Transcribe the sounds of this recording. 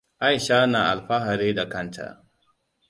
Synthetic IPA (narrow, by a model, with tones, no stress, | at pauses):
ʔa˦jʃaː˦na˨ʔa̰˨lɸa˦ɦa˨ɾeː˦da˨kɐ˦ntʰa̰˨